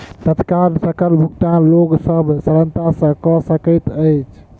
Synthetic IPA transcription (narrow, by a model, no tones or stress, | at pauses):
t̪ət̪kaɾsəkəlbʱukʈ̪ãloɡsəbʱsəɾənt̪asə̃kɔsəkət̪əjt͡ʃʰ